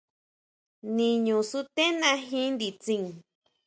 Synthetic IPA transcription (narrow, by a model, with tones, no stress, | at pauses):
nĩ˧ɲũ˨su˦t̪ẽ˦nã˧ɦĩ˦nd̪i˨t͡sĩ˧ŋ